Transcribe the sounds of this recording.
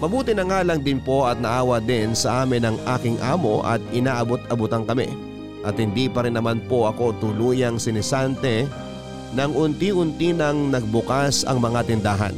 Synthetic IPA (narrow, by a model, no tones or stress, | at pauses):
mɐbuːt̪ɪnɐŋaːlɐŋd̪ɪnpo̞ɐt̪̚nɐʔaːwɐd̪ɪnsɐʔaːmɪnɐŋʔa̰ːkɪŋʔaːmo̞ʔɐ̰t̪̚ɪnaːʔɐbot̪ɐbʊt̪aŋkɐmɛ̰ | ʔɐt̪̚hɪnd̪ipɐɾɪnːɐmanpo̞ʔɐko̞t̪ʊluːjɐŋsɪnɛsant̪ɛ | nɐŋʔʊnt̪iʔʊnt̪inɐŋnɐɡ̚bʊkasɐ̰ŋmɐŋat̪ɪnd̪aːɦɐ̰n